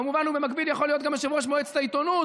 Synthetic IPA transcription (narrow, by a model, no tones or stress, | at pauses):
amuvanubemakbidjaχolijo̞t̪ɡamaʃevuʁaʃ̬moet͡st̪ait̪onu